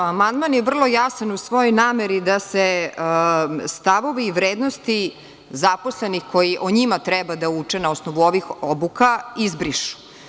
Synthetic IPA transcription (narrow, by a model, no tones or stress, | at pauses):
amand̪manjeʋvr̩lˠo̞jasanusʋo̞jojnaːmeɾid̪ase | st̪aʋo̞ʋiːʋɾeːd̪nost̪i | zapo̞slenixkʰo̞jiʔoɲimat̪ɾɛbad̪aut͡ʂɛnaosnoʋuo̞ʋixobukaizbɾiʃu̥